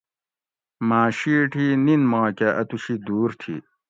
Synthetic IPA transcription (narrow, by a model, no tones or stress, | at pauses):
maːɕiʈʰininmãːkaʔɐt̪uɕid̪uːɾt̪ʰḭ